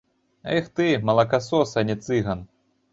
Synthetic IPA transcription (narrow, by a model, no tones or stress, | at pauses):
ɛxt̪ɨmɐlˠɐkasɔsɐnʲɛt̪sɨɣɐn